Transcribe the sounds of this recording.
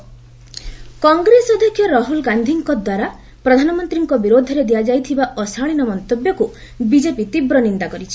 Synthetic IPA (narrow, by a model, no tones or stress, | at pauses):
kɔŋɡɾesɔd̪ʱekʰːjɔɾɔɦulɡand̪ʱiŋkɔd̪waɾa | pɾɔd̪ʱanɔmɔnt̪ɾiŋkɔbiɾod̪ʱɔɾed̪ijad͡ʒajt̪ʰibaʔɔsaɭinɔmɔnt̪objɔku | bid͡ʒepit̪ibɾɔnind̪akɔɾit͡ʃʰi̥